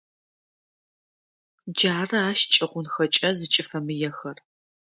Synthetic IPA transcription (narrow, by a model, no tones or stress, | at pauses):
d͡ʒaːrɐaːʃt͡ʃʼɐʁʷʊnxɐt͡ʃʼɐzɨt͡ʃʼɪfɐmɨjɛxɐr